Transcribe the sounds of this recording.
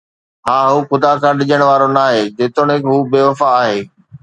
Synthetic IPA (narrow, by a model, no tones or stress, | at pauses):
ɦãːɦuːxʊd̪akʰãːɗɪʄəɽ̃ʋaːɾonaːɦeːd͡ʑeːt̪ʊɽ̃ɪkɦuːbeːʋɐfaːɦeː